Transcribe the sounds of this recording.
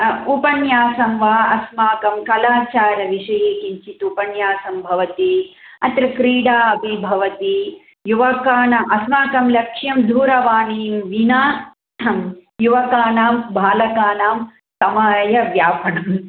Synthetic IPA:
upɐnjaːsɐmʋaːɐsmaːkɐmkɐlaːt͡ʃaːɾɐʋiʂɐjeːkiɲt͡ʃit̪upɐnjaːsɐmbʱɐʋɐt̪i | ɐt̪ɾɐkɾiːɽaːɐbʱibʱɐʋɐt̪i | juʋɐkaːnɐʔɐsmaːkɐmlɐkʂjɐmd̪ʱuːɾɐʋaːniːmʋinaː | ɐmjuʋɐkaːnaːmbʱaːlɐkaːnaːm | sɐmaːjɐʋjaːpɐɳɐm

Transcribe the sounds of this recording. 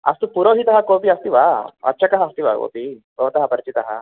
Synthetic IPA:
ɐ̰st̪upuɾoːɦit̪ɐɦɐkoːpiɐst̪iʋaɐ̰t͡ʃɐkɐɦɐst̪iʋa̰ːko̰ːpibʱɐʋɐt̪ɐɦɐpɐɾit͡ʃit̪ɐɦɐ̰

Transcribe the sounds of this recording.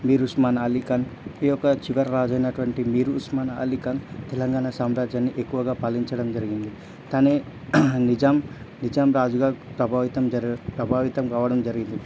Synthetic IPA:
miːɾusmaːnɐlikɐnijɔkːɐt͡ʃiʋɐɾːaːd͡ʒɐjnɐʈuʋɐɳʈimiːɾuːsmaːnɐɐ̰likɐnt̪ɛlɐŋɡaːnasaːmɾaːd͡ʒaːnːiʔekːuʋɐɡaːpɐlːiɲt͡ʃɐɽɐmd͡ʒɐɾiɡind̪i | t̪aːneː | nid͡ʒaːm | nid͡ʒaːmɾaːd͡ʒuɡaːpɾɐbʱaːʋit̪ɐmpɾɐbʱaːʋit̪ɐmkaːʋɐɽɐmd͡ʒɐɾiɡind̪i

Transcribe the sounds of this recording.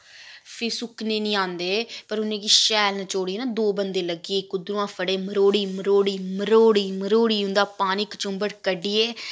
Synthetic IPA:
pʰɪsʊknẽːnĩːãːnd̪eːpəɾʊnẽːkiːʃɛːlnãːt͡ʃoːɽiːeːnãːd̪oːbənd̪eːləɡieːkʊd̪ɾũːãːpʰəɽeːməɾoːɽiːməɾoːɽiːməɾoːɽiːməɾoːɽiːʊ̃nd̪aːpaːniːkət͡ʃʊmbəɽkəɖiːeː

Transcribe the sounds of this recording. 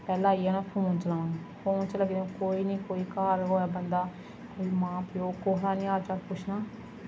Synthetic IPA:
pɛːlãːiːaːnãːpʰoːnt͡ʃəlãːʋaːnːpʰoːnt͡ʃələɡd̪ẽːkoːiːnĩːkoːiːkaːɾɦoːaːbənd̪aː | koːiːmãːpjoːkoːɦlaːnĩːaːt͡ʃaːlpʊt͡ʃʰnaː

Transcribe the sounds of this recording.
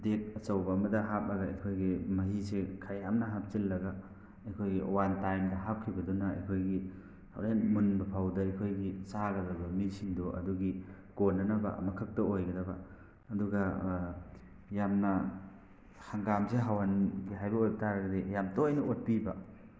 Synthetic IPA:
det̚ɐsɐwbɐɐmɐdɐɦap̚lɐɡɐɐ̰kʰojɡimɐɦisekʰaɾjamnɐɦap̚t͡ʃilːɐɡɐ | ɐkʰojɡiʔo̰wantajmdɐɦap̚kʰibɐdonɐɐ̰jkʰojɡi | hawɾenmunbɐpʰawdɐɐjkʰojɡisaɡɐɡɐbɐmilsiŋdoʔɐ̰duɡi | konːɐnɐbɐ̰mɐkʰɐk̚tɐojɡɐdɐbɐ | ɐduɡɐ | jamnɐ | haŋɡamseɦawanɡiɦajbɐojbɐtaɾɐɡɐdejamtoɐjnɐot̚pibɐ

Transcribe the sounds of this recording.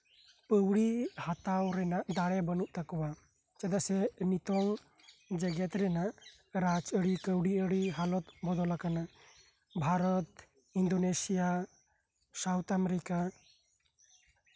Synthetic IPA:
pəwɽihat̪awɾɛnaʔd̪aɽɛbənuʔt̪akɔwa | t͡ʃad̪aʔsɛnit̪ɔŋ | d͡ʒɛɡɛt̪ɾɛnaʔ | ɾat͡ʃəɽikəwɽiəɽiɦalɔt̪bɔd̪ɔlakanaʔ | bʱaɾɔt̪ | ind̪ɔnesija | sawt̪amɾika

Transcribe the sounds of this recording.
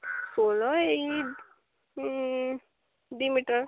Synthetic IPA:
solɔe | ɖ̪imiʈəɾ

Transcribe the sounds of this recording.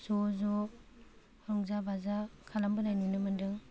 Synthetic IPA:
zɔzɔ | ɾɔŋzabazakʰalambɯnajnunɯmɯndɯŋ

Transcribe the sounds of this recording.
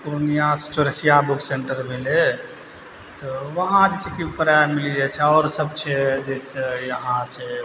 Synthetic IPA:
kɾonijast͡ʃoɾəsijabukseɳʈəɾbʱele | t̪ɔʋəɦãd͡ʒesekipəɾamilid͡ʒet͡ʃʰɛɔːɾsəbt͡ʃʰɛd͡ʒesejəɦãt͡ʃʰɛ

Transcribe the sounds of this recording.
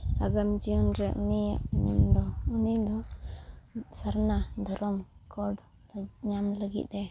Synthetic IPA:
aɡamd͡ʒiɔnɾɛʔunija̰ʔɲumd̪ɔunid̪ɔ | saɾnad̪ʱɔɾɔmkʰɔɖ | ɲamləɡḭt̪̚dɛ

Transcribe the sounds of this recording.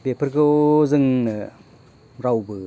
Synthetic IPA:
bepʰɯɾɡɯzɯŋnɯ | ɾawbɯ

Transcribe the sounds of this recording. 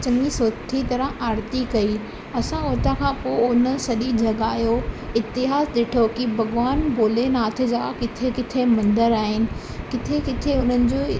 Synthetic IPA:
t͡ɕənisoːt̪ʰit̪ɐɾəaːɾt̪ikɐi | ɐsãoːt̪ãkʰãːpoːʊnə̆sɐɗid͡ʑɐɠaːjoɪt̪ɪɦaːsɗeːʈʰokibʱɐɡʋaːnboːlenaːt̪̆ʰd͡ʑakɪt̪ʰekɪt̪ʰemɐ̃nd̪əɾaːɦɪnɪ̆ | kɪt̪ʰekɪt̪ʰeʊn̤ənɪ̆d͡ʑoː

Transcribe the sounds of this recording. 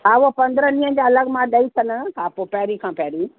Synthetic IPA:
aʋopɐ̃nd̪ɾənĩːə̃d͡ʑaːɐləɡmãɗɐisɐnəkʰaːpopɛːɾikʰãːpɛːɾi

